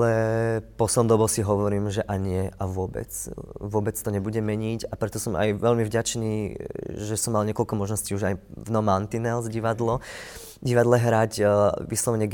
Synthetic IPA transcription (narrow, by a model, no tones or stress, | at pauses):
lɛpɔslɔnd̪ɔbɔsiɦɔʋɔɾiːmʒɛʔaɲɪɛaʋʊɔbɛ̰t͡sʋʊɔbɛt͡st̪ɔɲɛbuɟɛmɛɲiːɟapɾɛt̪ɔsɔma̰jʋɛʎmivɟat͡ʃniːʒɛsɔmːalɲɛkɔlkɔmɔʒnɔsciːuʒajvnɔmant̪inɛlzɟiʋad̪lɔ | ɟiʋad̪lɛɦɾaɟʋislɔʋɛɲɛ